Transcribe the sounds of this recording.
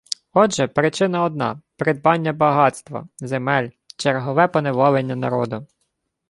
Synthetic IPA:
ɔdʒɛpɾɪt͡ʃɪnɐɔd̪̚nɑ̰pɾɪd̪̚bɑnʲːɐbɐɦɑt̪st̪ʋɐ̰zemɛlʲ | t͡ʃerɦɔʋɛpɔneʋɔlˠenʲːɐnɐ̰ɾɔd̪ʊ

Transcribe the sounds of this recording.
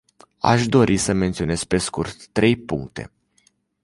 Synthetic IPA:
a̰ʃd̪o̞ɾʔisəme̞nt̪sio̞ne̞z̥̚pe̞skurt̪ːɾe̞jpuŋk̚t̪e̞̰

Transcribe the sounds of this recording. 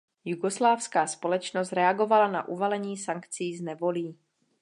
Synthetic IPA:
juɡo̞slaːfskaːspo̞lɛt͡ʃnost̪ɾɛaɡo̞valana̰ʔuvalɛɲiːsaŋkt͡siːznɛvo̞liː

